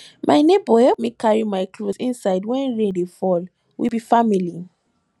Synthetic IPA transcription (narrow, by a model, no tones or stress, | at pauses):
mʔaɪnebɔhɛp̚mekaɹimaɪkʰlosĩnsaɪdwɛ̃nɹẽdefɔl | wibifamili